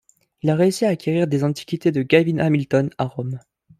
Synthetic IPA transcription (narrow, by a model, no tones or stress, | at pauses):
ilaʁeysiaːkʲʰeʁiʁd̪ezɑ̃t̪i̥kʲit̪ed̪əɡʲavinamilt̪ɔnaʁɔm